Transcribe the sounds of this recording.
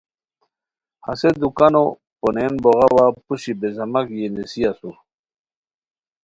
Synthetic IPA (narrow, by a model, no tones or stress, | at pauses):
ha̰sed̪ukano | ponenboʁawapuɕibezɐmakjenesiasu